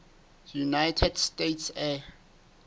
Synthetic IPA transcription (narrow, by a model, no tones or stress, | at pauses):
junajtʰɛdstetʰsɛ